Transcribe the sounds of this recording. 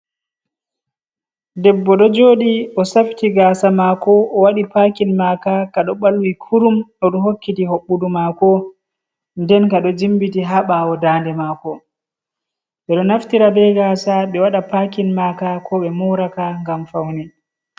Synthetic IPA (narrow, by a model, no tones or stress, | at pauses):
dɛbːɔɗɔd͡ʒoːɗiɔsaftiɡasamakɔʔɔwaɗipakinmakakaɗɔɓalwikʰuɾumɗɔɗɔɦokːitihoɓːudumakɔ | ndɛnkaɗɔd͡ʒimbitiɦaɓaɔdaːndɛmaːkɔ | ɓɛɗɔnaftiɾabɛɡaːsaɓɛwaɗapakinmaːkakʰɔɓɛmɔwɾakaŋɡamfawni